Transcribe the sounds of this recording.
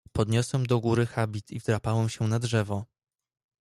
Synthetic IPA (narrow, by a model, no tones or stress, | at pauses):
pɔd̪ɲɔswɛmd̪ɔɡuɾɘxabʲit̪ʰivd̪ɾapawɛmɕɛnadʐɛvɔ